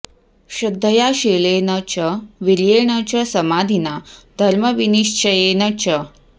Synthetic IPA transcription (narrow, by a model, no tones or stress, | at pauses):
ɕɐd̪ʱːəjaɕelenət͡ɕəʋiljeɳət͡ɕɐsəmad̪ʱinad̪ʱɐɾməʋiniʂt͡ʃəjenət͡ɕə